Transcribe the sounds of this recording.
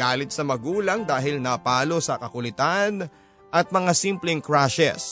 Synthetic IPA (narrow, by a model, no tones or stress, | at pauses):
aːlɪt̪̚sɐmɐɡuːlɐŋd̪aːɦɪlnɐpaːlo̞sɐkɐkʊlɪt̪an | ʔɐt̪̚mɐŋasimplɛŋkɹaʃɛ̰s